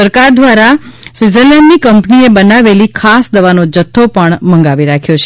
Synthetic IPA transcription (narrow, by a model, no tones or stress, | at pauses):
əɾkaɾd̪ʋaɾasʋɪzəlɛɳɖnikəmpniebənaʋelikʰasd̪əʋanod͡ʒət̪ʰːopəɳmə̃ŋɡaʋiɾakʰjot͡ʃʰe